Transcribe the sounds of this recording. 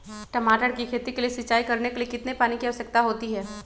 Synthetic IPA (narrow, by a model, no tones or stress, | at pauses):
ʈɐmaːʈəɽkikʰeːt̪ikeliesɪt͡ʃːaːikɐɾnekeliekɪt̪nepaːnikiɐʋsək̚t̪aɦoːt̪iɦɛː